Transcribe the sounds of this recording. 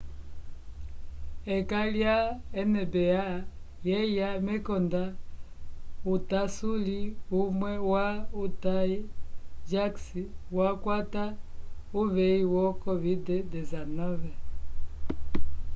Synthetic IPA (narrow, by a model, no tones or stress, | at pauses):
ɛkaljaɛnɛbɛa | jɛjamɛkɔnda | utasuliumwɛwautaid͡ʒaksiwakwatauβɛiwɔkɔvidɛdɛzanɔvɛ